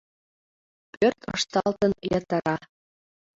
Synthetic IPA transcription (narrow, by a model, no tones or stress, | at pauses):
pørt̪ʰɤ̰̆ʃt̪ɑlt̪ɤ̆njɑt̪ə̆ɾɑ